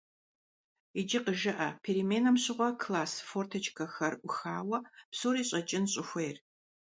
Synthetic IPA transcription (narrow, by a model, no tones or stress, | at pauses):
id͡ʒɪqəʒɨʔɐpʰeːɾimeːnɐmɕɪʁʷɔkʰlaːsfoːrtʰɐt͡ʃʼkʰɐxɐrʔʷʊxaːwɐpsuːɾiːɕʼɐt͡ʃʼɪnɕʼɪxʷejr